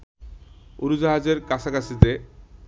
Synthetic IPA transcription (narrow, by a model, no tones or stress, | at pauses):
uɾud͡ʑaɦad͡ʑeɾkat͡ɕʰakasʰit̪e